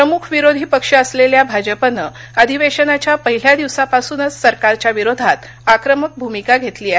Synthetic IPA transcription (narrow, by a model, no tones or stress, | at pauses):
pɾəmukʰʋiɾod̪ʱiːpəkʂəəsleljabʱad͡ʑəpənə | əd̪ʱiʋeɕənat͡ɕjapəɦil̤jad̪iʋsapasuːnəsːəɾkaɾt͡ɕjaʋiɾod̪ʱat̪ | akɾəmək̚bʱumikaɡʱet̪liːaɦ